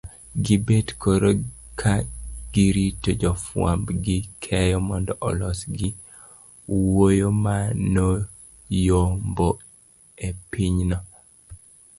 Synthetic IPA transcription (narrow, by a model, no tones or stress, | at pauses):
ɡibedkʰoɾokʰaɡ̥iɾitod͡ʒɔfwa̰mbɡɪkʰɛjɔmɔndɔʔɔlɔsɡi | wojomano | jombo | epiɲnɔ